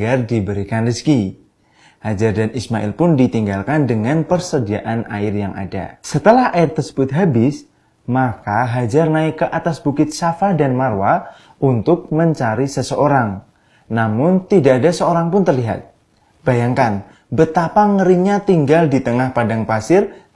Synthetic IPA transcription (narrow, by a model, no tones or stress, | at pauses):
ɡardibəɾikanrəski | had͡ʒardanismaʔɪ̰lpʊndit̪iŋɡalkandəŋanpərsədiaʔanʔa̰ɪrjaŋʔa̰da̰sət̪əlahaɪrt̪ərsə̥bʊt̪̚ɦabɪs | makaɦad͡ʒarnaɪkəʔat̪asbukɪt̪̚safahdanmarwa | ʔunt̪ʊk̚məɲt͡ʃaɾisəsəʔoɾaŋ | namʊnt̪idaʔːdasəoɾaŋpʊnt̪ərliɦa̰t̪̚ | b̥ajaŋkan | bət̪apaŋəɾinɲat̪iŋɡaldit̪əŋahpadaŋpasɪr